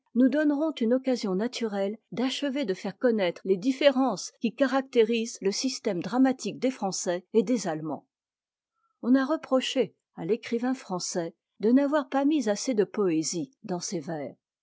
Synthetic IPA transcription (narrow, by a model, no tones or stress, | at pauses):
nud̪ɔnʁɔ̃t̪ynɔkazjɔ̃nat̪ʰyʁɛld̪aʃəved̪əfɛʁkɔnɛt̪χled̪ifeʁɑ̃skʲikaʁak̚t̪eʁizləsist̪ɛmd̪ʁamat̪ik̚d̪efχɑ̃sɛed̪ezalmɑ̰̃ | ɔ̃naʁəpχɔʃe | alekχivɛ̃fχɑ̃sɛ | d̪ənavwaʁpamizased̪əpɔezid̪ɑ̃sevɛːʁ